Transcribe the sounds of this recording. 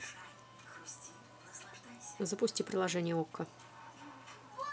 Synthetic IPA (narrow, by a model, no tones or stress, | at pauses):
zəpʊsʲtʲipɾʲɪlˠɐʐɛnʲɪjəokːə